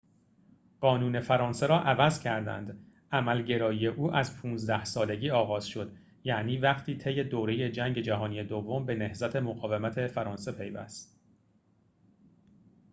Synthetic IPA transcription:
ɢ̥ɒːnuːne̞fæɾɒːnse̞ɾɒːʔævæzcʰæɾd̪æ̰nd̪ | ʔæmælɟe̞ɾɒːiːe̞ʔuːʔæzpʰuːnzd̪æhsɒːle̞ɟʲiːɒːɣɒːz̥ʃo̞d̪̥ | jæʔniːvæχt̪ʰiːt̪ʰe̞jːe̞d̪oːɾeje̞d͡ʒæŋɟe̞d͡ʒæɦɒːnije̞d̪ovːombe̞nehzæt̪ʰe̞moɣɒːvemæt̪ʰe̞fæɾɒːnse̞pʰe̞jvæ̰st̪̚

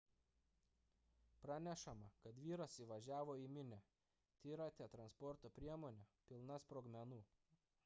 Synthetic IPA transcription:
pɾɑːnʲɛʃɐmɐkɐt̪ʋʲiːɾɐsiʋɐʒʲæːʋoːiˑmʲɪnʲɛ | t̪ʲiːɾɑːt̪ʲeːt̪ɾɐnspɔɾt̪oːpʲɾʲiɛmoːnʲɛpʲɪlˠnɐspɾoːɡmʲɛnuː

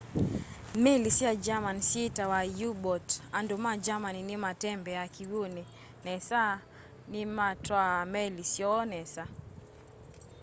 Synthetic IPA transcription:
mɛlisiad͡ʒamansitawajubɔtandumad͡ʒamaninimatɛmbɛakiwuni | nɛsa | nimatwamɛlisjɔnɛsa

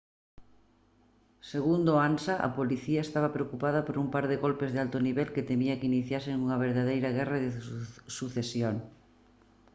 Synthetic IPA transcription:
seɣund̪ʊansaʔɐ̰poliθiɐest̪aβ̞ɐpɾeokupað̞ɐpoɾumpaɾðeɣolpezðealt̪ʊniβɛlkɪt̪emiɐkiniθjaseŋuŋɐβ̞eɾðaðejɾɐɣɛraðesuθesjoŋ

